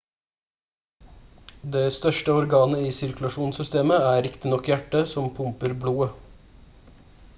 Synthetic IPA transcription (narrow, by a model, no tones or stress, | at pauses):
d̪eːst̪œʂʈəɔɾɡɑːnəiːsɪɾkʉlɑʃuːnsʏst̪eːməæːɾɪkt̪ɪnɔkːjæʈːəsɔmpʰʊmpəɾbluːə